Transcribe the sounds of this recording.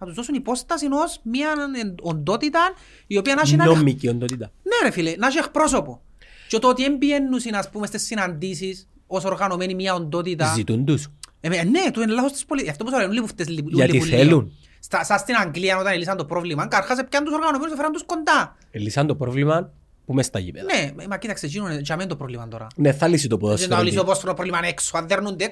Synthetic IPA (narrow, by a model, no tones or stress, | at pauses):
nɐt̪uzd̪osunipo̞st̪ɐsino̞smiɐnond̪o̞t̪it̪ɐn | io̞piɐnɐʃinnommːikiond̪ot̪it̪ɐnenefilenaʃiexpɾo̞so̞po | t͡ʃot̪ot̪iembienːusinɐspumest̪isːinɐnd̪isis | o̞so̞ɾɣɐno̞menimiɐond̪o̞t̪it̪ɐzzit̪und̪usmenet̪uenlaθost̪i̥spolitaft̪ousɐlenulːipuft̪eslipuɐiiulːelun | st̪ɐsɐst̪inaŋɡliɐnot̪ɐnelis̬ɐnd̪opɾovlimɐŋkɐɾxɐsepcɐnt̪uso̞ɾɣɐnomenusefeɾɐnd̪uskond̪ɐ | elisɐnd̪opɾovlimɐn | pumest̪ɐ̰ʝḭmḛnememɐcit̪ɐkset͡ʃinuned͡ʒɐmend̪opɾovlimɐnt̪oɾɐ̰neθɐlisit̪opoðosnaolissioposfoɾonopɾolimaneksuaðeɾnund̪ek